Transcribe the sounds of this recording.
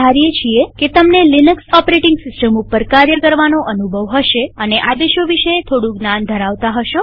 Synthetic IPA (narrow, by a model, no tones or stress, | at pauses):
aɾijet͡ʃʰieket̪əmnelinəksɔpɾeʈɪ̃ŋɡsɪsʈəmupəɾkaɾjəɾkəɾʋanoʔənubʱəʋɦəʃeəneʔad̪eʃoʋiʃəet̪ʰoɽũɡnand̪ʱəɾaʋt̪aɦəʃo